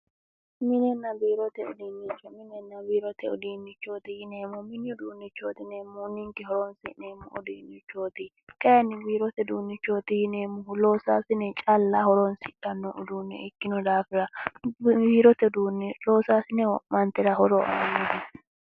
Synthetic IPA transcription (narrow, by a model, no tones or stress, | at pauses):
mɪnɛnːɐbiːɾɔt̪ɛɔd̪iːnːɪt͡ʃːɔmɪnɛnːɐbiːɾɔt̪ɛɔd̪iːnːɪt͡ʃːoːt̪ɪjɪneːmʊmɪnːd̪uːnːɪt͡ʃːoːt̪ɪneːmːʊnːɪŋkɪhɔɾonsɪneːmʊʔɔ̰d̪iːnːɪt͡ʃːo̞ːt̪ɪ | kɐjɐnːɪbiːɾɔt̪ɛd̪uːnːɪt͡ʃːoːt̪ɪjɪneːmːʊɦʊloːsaːsɪnɛt͡ʃʼɐlːahɔɾoːnsɪᶑɐnːɔʔʊd̪uːnːɛ̰ʔɪkːɪnɔd̪aːfɪɾɐ | biːɾɔt̪ɛd̪uːnːɛloːsaːsɪnɛɔmɐnt̪ɛɾɐɦɔɾɔʔɐ̰nɐnːɛɦɛ